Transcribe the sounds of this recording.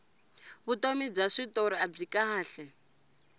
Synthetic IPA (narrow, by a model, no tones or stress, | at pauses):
βutomib͡ʐaʂitoɾiab͡ʐikaaːɬɛ